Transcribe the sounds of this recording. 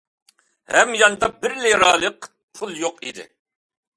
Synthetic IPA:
hɛmjɑnɨd̪ɑbɪɾleɾɑːlˠəq | pʰulˠjoqḭd̪ɪ̰

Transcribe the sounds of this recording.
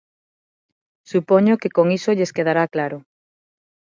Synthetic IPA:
supoɲokekoŋisoʎeskeðaɾaklaɾʊ

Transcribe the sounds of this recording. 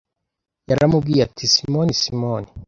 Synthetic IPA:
jaɾamubɡiːɾatʰisimonisimoni

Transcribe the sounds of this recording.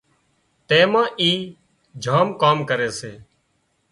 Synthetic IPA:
t̪ẽːmãːʔiː | d͡ʒʱaːmkaːmkəɾeːseː

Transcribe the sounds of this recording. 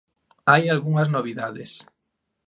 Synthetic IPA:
ajalɣuŋaznoβ̞iðaðes

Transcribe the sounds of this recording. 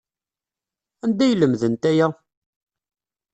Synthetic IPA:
ænd̪æjələmðənt̪æjæ

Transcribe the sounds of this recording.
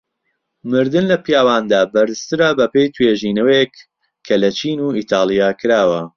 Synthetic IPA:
mɨɾd̪ɨnlɐpijaːwaːnd̪aːbɐɾst̪ɨɾabɐpejt̪ʰweːʒiːnɐwek | kʰːɐlɐt͡ʃiːnuiːt̪ʰɑːlˠijaːkʰɨɾaːwɐ

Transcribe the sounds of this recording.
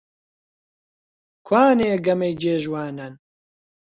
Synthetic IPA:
kʰwaːneːɡɐmejd͡ʒeːʒwaːnɐn

